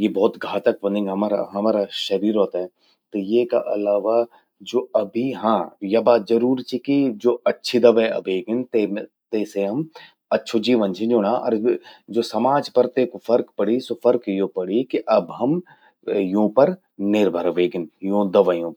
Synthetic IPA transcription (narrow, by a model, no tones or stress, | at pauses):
jebɔːt̪ɡʱaːt̪ək̚ʋɐ̃nd̪ɪ̃ŋɦɐmaːɾa̰ɦɐmaːɾaʃɐɾiːɾɦɔːt̪aɦɛ | t̪ojeka̰ʔɐlaːʋa | d͡ʒoːɐbʱiɦãːjɐbaːt̪d͡ʒɐɾuːɾt͡ʃʰikid͡ʒoːɐtːʃʰid̪ɐʋɛɐ̰bʱeːɡɪnt̪e | t̪eːseɦɐm | ɐtːʃʰod͡ʒiːʋə̃nt͡ʃʰĩd͡ʒoːɽaːʔɔ̰ːɾd͡ʒoːsɐmaːd͡ʒpɐɾt̪ekofɐɾkpɐɽisofɐɾkjõpɐɽikiʔɐbɦɐm | jõːpɐɾ | nɪɾbʱəɾɐʋeːɡɪnjõd̪ɐʋajõːɾ